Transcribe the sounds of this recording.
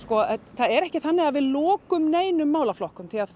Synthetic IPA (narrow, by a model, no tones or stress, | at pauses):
skɔθaðɛɾɛhcɪθanːɪɣaðvɪðlɔːkʏmneːjnʏmːaːwlaflɔhkʏmθʰiað